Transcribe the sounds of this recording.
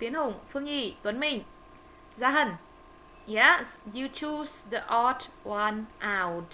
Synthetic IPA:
t̪i˨˦ənhʊ˨˩ŋ͡mfɨ˧əŋʔi˧˩t̪wə˨˦nmï˨˩ŋ | zaː˧ɦə˧˩n | jɛ˧sju˧t͡ʃusðə˧ʔat | wanʔa˧wt

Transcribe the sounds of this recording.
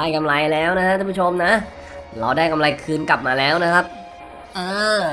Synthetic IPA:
aː˥˩jka˧mla˧jlɛː˦˥wna˦˥kʰa˦˥ʔ̪ʰuː˥˧˩pu˥t͡ɕʰo˧mna˦˥ | ɾa˧wdaː˥˩jka˧mla˧jkʰɯː˧nkla˨˩p̚maː˧lɛː˦˥wna˦˥kʰa˦˥p̚ | ʔɤː˧˩

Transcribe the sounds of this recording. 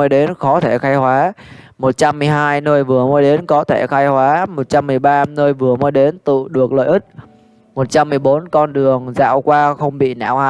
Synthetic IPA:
jɗe˨˦nxɔ˨˦t̪ʰe˧˩xaː˧jhwaː˨˦mo˨˩t̚t͡ɕa˧mːɨ˨˩əjɦaː˧jnəː˧jvɨ˨˩əmɔː˨˦jɗe˨˦nkɔ˨˦t̪ʰe˧˩xaː˧jhwaː˨˦mo˨˩t̚t͡ɕa˧mːɨ˨˩əjɓaː˧nəː˧jvɨ˨˩əməː˨˦jɗe˨˦nt̪ɨ̰˧˨ɗɨ˨˩ək̚lə̰˧˨jʔɨ˦˥t̚ | mo˨˩t̚t͡ɕa˧mːɨ˨˩əjɓo˨˦nkɔ˧nɗɨ˨˩əŋza̰ː˧˨wkwaː˧xə˧wŋ͡mɓḭ˧˨na̰ː˧˩wha̰ː˨˦

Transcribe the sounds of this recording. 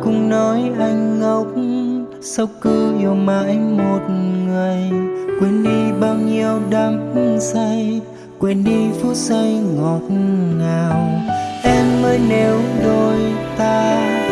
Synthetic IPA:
kʊ˧˩ŋ͡mnɔ˨˦jʔa˧jŋ̟ŋə˧˦wk͡p̚ | sə˧wkɨ˧o˨˩ma˧˨jjmo˨˩t̚ŋɨ˨˩əjkwɛ˧˩nɗi˧ɓaː˧wɲi˧əwɗa˨˦msa˧j | kwɛ˧˩nɗi˧fu˦˥t̚sə˧jŋɔ˨˩t̚naː˨˩wʔɛ˧mːəː˧˦jne˨˦wzo˧˨˩jt̪aː˧

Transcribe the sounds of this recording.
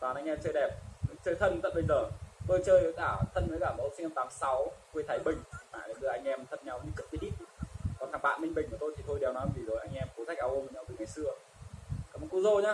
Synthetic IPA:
t̪aː˨˩nʔa˧ŋʔɛ˧mt͡ɕəː˧jɗɛ˨˩p̚t͡ɕəː˧jt̪ʰə˧n˧t̪ə̰˧˨jɓe˧ŋzəː˨˩t̪əː˧jt͡ɕəː˧jə˨˦jkaː˧˩t̪ʰə˧nmə˨˦jkaː˧˩mə̰˧˨˦si˧ŋa˧t̪aː˨˦msa˨˦wkwe˧t̪ʰaː˨˦jɓï˨˩ŋ̟˨ma̰ː˧˨lḛ˨˧˩nɗɨ˧˩ʔa˧jŋ̟ʔɛ˧mt̪ʰə˨˩t̚ɲa˧wɲɨ̰˧˥kɨ˦˥t̪i˨˦ɗḭ˧˨˧kɔ˨˩nkʰaː˧˩ŋɓa̰ː˧˨mï˧ŋ̟ɓï̟˨˩ku˧˩t̪o˧jt̪i˨˩t̪ʰo˧jɗɛ˨˩wnɔ˨˦jvi˨˩zəː˨˩jʔa˧jŋ̟ʔɛ˧mko˨˦za˦˥k̚aː˧wʔo˧m˨˩ɲa˧wvə˨˦ŋa˧˩jsɨ˧ə | kaː˧˨˩mɔ˨˦ku˧˦zo˧ɲaː˨˦

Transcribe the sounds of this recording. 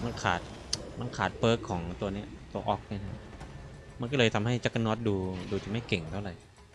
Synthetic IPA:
ma˧nkʰaː˨˩t̪̚ | ma˧nkʰaː˨˩t̪̚bɤː˦˥kʰːɔː˩˦ŋt̪u˧ɐni˦˥ɐt̪u˧ɐʔɔː˦˥k̚na˥˩na˧˥ | ma˧nkɔː˥˩ɤː˧jt̪ʰa˧mɦa˥˩jt͡ɕa˦˥kːa˧nɔː˦˥t̪̚duː˧duː˧t͡ɕa˨˩ma˥˩jke˨˩ŋt̪ʰa˥˩wɾa˨˩j

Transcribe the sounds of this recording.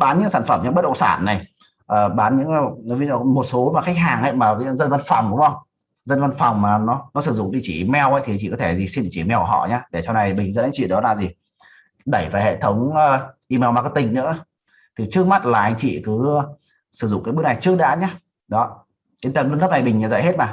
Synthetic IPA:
ɓaː˨˦nɲɨ˧˥ŋsaː˧˩nfə˧˩mɲɨ̰˧˥ŋɓə˥t̚ɗə˧˨ŋ͡m̥saː˧˩˨nːa˨˩j | ʔəː˨˩ɓaː˨˦nɲɨ̰˧˥ŋ˧˨˦mo˨˩t̚so˨˦maː˨˩xa˦˥k̚ɦaː˨˩ŋhə̰˧˥jmaː˨˩˨zə˧nva˧nfɔ˨˩wŋ͡mʔɗʊ̰˨˦ŋ͡mʔə˧wŋ͡m | zə˧nva˧nfɔ˨˩wŋ͡mmaː˨˩nɔ˨˦nɔ˨˦sɨ˧˩zʊ̰˧˨ŋ͡mɗi˧˩t͡ɕi˧˩mɛ˧wʔə˧˥jt̪ʰi˨˧t͡ɕḭ˧˨kɔ˨˦t̪ʰe˧˩zi˨˩si˧ni˧˨t͡ɕi˧˩mɛ˧wkːɦɔ̰˧˨ɲaː˧ɗe˧˩sa˧wna˧˩jɓi˨˩ŋ̟zə̰˧˥na˧˦jt͡ɕḭ˧˨ɗɔ˨˦laː˨˩zi˨˩ | ɗə˧˩jvaː˨˩hḛ˧˨t̪ʰə˨˦wŋ͡məː˨˧ʔi˧mɛ˧wmaː˧˩kɔ˧˦˩t̪ï˨˩ŋ̟nɨ̰˧˥ə | t̪ʰi˨˩t͡ɕɨ˦˥ək̚ma˦˥t̚laː˨˩ʔa˧jŋ̟t͡ɕḭ˧˨kɨ˨˦˧ | sɨ˧˩zʊ̰˧˨ŋ͡mkaː˨˦jɓək̚na˨˩t͡ɕɨ˦˥ək̚ɗa̰ː˧˥ɲaː˧ | ɗɔ˨˦ | t͡ɕe˨˧˦nt̪ə˧˩mlɨ˧nt̪ʰp̚na˨˩jɓi˨˩ŋ̟ɲaː˨za̰˧˨he˦˥t̚maː˨˩

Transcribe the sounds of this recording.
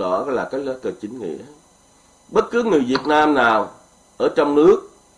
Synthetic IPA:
ɔ̰˧˩ɾɔ˧˦jlaː˨˩kaː˨˦jlə˨˦kəː˨˩t͡ɕï˨˦ŋ̟ŋḭ˧˥ə | ɓə˦˥t̚kɨ˨˦ŋɨ˨˩əjvi˨˩ət̚naː˧mnaː˨˩w | ʔəː˧˩t͡ɕɔ˧wŋ͡mnɨ˦˥ək̚

